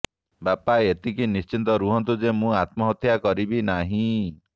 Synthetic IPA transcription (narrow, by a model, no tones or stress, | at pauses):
bapaet̪ikinist͡ʃint̪ɔɾuɦɔnt̪ud͡ʒemũat̪̚mɔɦɔt̪ʰjakɔɾibinaɦĩ